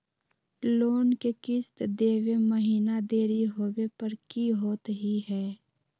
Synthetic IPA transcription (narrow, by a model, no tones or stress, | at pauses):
loːnkekɪst̪d̪eːweməɦiːnad̪eːɾiɦoːwepəɾkiɦoːt̪ɦiɦɛː